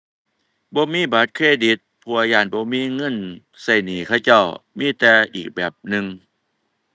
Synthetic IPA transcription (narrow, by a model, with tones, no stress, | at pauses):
bɔː˧˦miː˧˥˨ba˨˦t̪̚kʰeː˧˥˨di˨˦t̪̚pʰuː˧˩a˧jaː˧˩˨nbɔː˧˦miː˧˥˨ŋɤ˧˥˨n | sa˧˩jniː˨˦kʰa˧˥˩wt͡ɕa˧˥˩wmiː˧˥˨t̪ɛː˨˧ʔiː˨˩k̚bɛː˨˩p̚nɯ˧ŋ